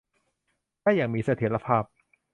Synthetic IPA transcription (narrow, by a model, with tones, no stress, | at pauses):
daː˥˩jaː˨˩ŋmiː˧sa˧t̪ʰiː˨˩˦ɾa˧pʰaː˥˩p̚